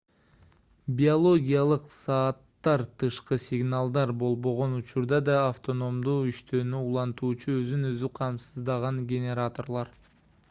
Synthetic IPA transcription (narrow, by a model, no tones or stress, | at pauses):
bʲiolˠo̞ɡʲijalˠɯqsɑːt̪ːɑɾt̪ʰɯʃqɯsʲɪɡnalˠd̪ɑɾbo̞lˠbo̞ʁo̞nut͡ʃuɾd̪ɑd̪ɑːft̪o̞no̞md̪uːyʃt̪øːnyulˠɑnt̪uːt͡ʃuøzynøzyqʰɑmsɯzd̪ɑʁɑŋɡʲenʲe̞ɾat̪o̞rlˠɑɾ